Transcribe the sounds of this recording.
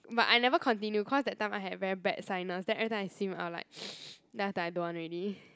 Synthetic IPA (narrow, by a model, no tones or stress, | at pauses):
bata̰jnɛvəkʰɔ̃ntĩnjukʰɔsdɛt̚ːãɪ̃maɪɦɛdvɛɹibɛtsãɪnəsdɛntʔɛɹit̪ãaɪsĩma̰ʊt̚la̰ɪk̚dasdadoɔ̃nɹɛdi